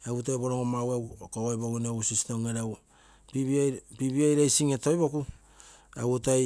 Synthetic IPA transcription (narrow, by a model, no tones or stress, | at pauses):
awtojboɾoŋomawawkoɣojbokunawusisitoŋeɾaw | piβipiβiajɾajsiŋeto̞jbo̞ku | awota